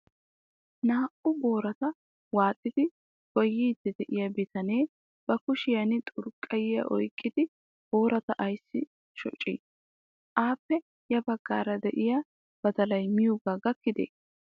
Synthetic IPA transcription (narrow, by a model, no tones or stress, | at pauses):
naːʔʊbo̞ːɾɐt̪ɐ | waːt̪ʼːɪd̪ɪ | kɔjːiːd̪̥ɛd̪ɛʔɪjɐbɪt̪ɐneː | b̥ɐkʊʃɪjɐnɪt̪ʼʊɾkʼːɐjɪjɐ̰ʔɔjkʼːɪd̪ɪ | b̥o̞ːɾɐt̪ɐʔɐjsːɪ | ʃɔ̰t͡ʃʼːḭːs | ʔaːpːɛ | jɐbɐɡːa̰ːɾɐd̪ɛʔɪjɐ | b̥ɐd̪ɐlɐjmɪjʊɡaːɡɐkːɪd̪ḛː